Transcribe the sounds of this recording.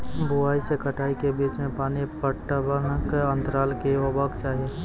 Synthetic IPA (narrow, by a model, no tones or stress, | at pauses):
bʊaːisekəʈaːikebiːt͡ʃmẽpaːnipəʈəbənkə̃nt̪ɾaːlkeobakt͡ʃaːɦeː